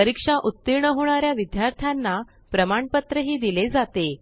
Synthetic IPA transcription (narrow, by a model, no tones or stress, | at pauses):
əɾikʂaʔut̪ːiɾɳəɦoɳ̃aɾjaʋid̪jaɾt̪ʰjanːa | pɾəmaɳpət̪ɾəɦiːd̪iled͡zat̪e